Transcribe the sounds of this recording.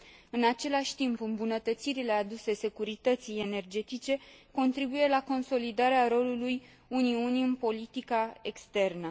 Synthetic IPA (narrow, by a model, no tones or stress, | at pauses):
ɨnat͡ʃe̞laʃʲt̪impɨmbunət̪ət̪siɾile̞ad̪use̞se̞kuɾit̪ət̪sije̞ne̞rd͡ʒe̞t̪it͡ʃe̞ko̞nt̪ɾibuje̞lako̞nso̞lid̪aɾeaɾo̞luluj | uniuniɨnpo̞lit̪ikae̞kst̪e̞rnə